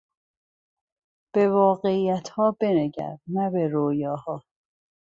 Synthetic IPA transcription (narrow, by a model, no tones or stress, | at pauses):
b̥e̞vɒːɣe̞iːjæt̪ʰhɒːbe̞neɟæ̰ɾnæbe̞ɾoːjɒːhɒː